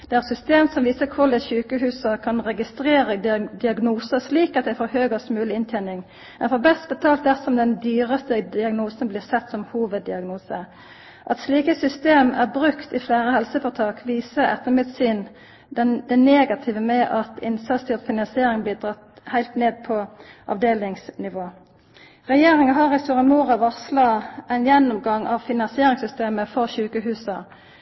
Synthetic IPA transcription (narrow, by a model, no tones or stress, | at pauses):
d̪̥ɛæʁsʏst̪eːmsɔmʋiːsəkʰʊlɛçʉːkəhʉːsəkʰɑnʁɛɡɪst̪ɾeːɾəd̪ɪɑɡnuːsəsliːkɑt̪̚d̪æɪfoːɾhøːɡəsmʉːlɪɪnt̪ʰæɪnɪŋ | ɛfɔbɛst̪̚bət̪ʰɑːlt̪̚d̪æʁsɔmd̪ɛnd̪yːʁəst̪əd̪ɪɑɡnuːsənblɪːʁsɛt̪ːsɔmhuːʋəd̪ːɪɑɡnuːsə | ʔɑt̪sliːkəsʏst̪eːmæʁbʁʉkt̪ɪfleːʁəhɛlsəfɔʁt̪ʰɑːkʋiːsəɛ̰t̪ːəmʉd̪syːn | d̪ɛd̪ɛneːɡɑt̪ʰɪʋəmɛʔɑt̪ʰɪnsɑt̪st̪ʰɪlt̪fɪnɑnsɪeːʁɪŋbliːd̪ʁɑt̪ | hæɪlt̪neːd̪̚pʰɔʔɑ̰ʋd̪eːlɪŋsnɪʋoː | ʁɛjeːʁɪŋɑɦɑʁɛst̪uːʁəmuːʁɑʋɑslɑæɪnjɛnːʊmɡɑŋʔɑʋfɪnɑnsɪeːʁɪŋsʏst̪eːməfɔʁʃʉːkəɦʉːsɑ